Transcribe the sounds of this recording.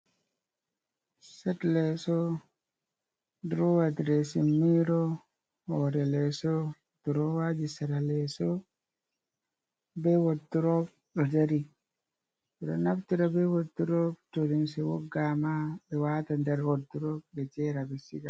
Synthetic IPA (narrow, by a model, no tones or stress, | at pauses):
sɛtlɛsɔ | dɾɔwadɾɛsimiɾɔ | hɔɾɛlɛsɔ | duɾɔwad͡ʒisaɾalɛsɔ | bɛwotːuɾɔp | ɗɔdaɾi | ɛɾɔnaftiɾabɛwotːuɾɔptoɾinsiwɔ̰ɡamabɛwatandɛɾwotːuɾɔbɛt͡ʃɛɾabɛsiɡa